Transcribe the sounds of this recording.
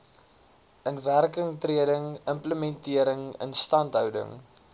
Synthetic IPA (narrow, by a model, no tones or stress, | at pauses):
ʔənværkəŋtriədəŋəmpləmɛntiəɾəŋə̰nstɐntɦœwdə̰ŋ